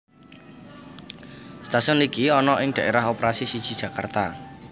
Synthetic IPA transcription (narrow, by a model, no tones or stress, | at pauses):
st̪asɔnlikiɔnɔʔɪŋd̥̪ä̤ʔeɾaɦopeɾasisid̥ʒ̥i̥ʒ̥a̤ka̰rt̪a